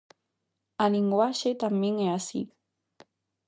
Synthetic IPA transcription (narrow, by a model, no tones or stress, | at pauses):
aniŋwaʃet̪amːiŋeasḭ